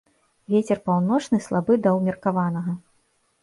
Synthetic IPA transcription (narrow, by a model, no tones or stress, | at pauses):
vʲet͡sʲɛrpawnɔt͡ʂnɨslˠabɨd̪ɐwmʲirkavanɐɣɐ